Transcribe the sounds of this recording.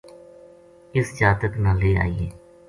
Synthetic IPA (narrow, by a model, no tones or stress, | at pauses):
ɪsd͡ʒaːt̪ək̪nãːleːa̰ːiːeː